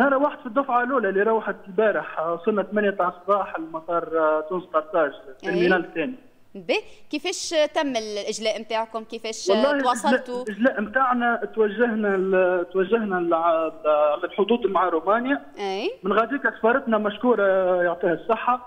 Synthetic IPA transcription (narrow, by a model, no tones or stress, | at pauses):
nɑɾˤɑwaħəd̪fid̪ˤːʊfʕaluːlælːiɾˤɑwħad̪lbæːɾɪħsˤʊlnːat̪mænjat̪aʕsˤbɑːħlmɑsˤɑːɾˤt̪uːnst̪ɑɾˤt̪ɑːʒt̪ɪlminæːlt̪æːni | bɛkifɛːʃt̪æmːɪllʔɪʒlɛːʔmt̪aːʕkʊmkifɛːʃwɑlˤːɑːhiwɑsˤɑlːulʔɪʒlæːʔmt̪aːʕnæt̪wæʒːaɦnæt̪wæʒːahnælʕlʕlælħʊd̪uːd̪maʕaɾumæːnja | ɛjmɪnɣæd̪iːkɪxbɑɾˤɑt̪næmæʃkuːɾˤɑjoʕt̪ˤiːhɑsˤːəħːa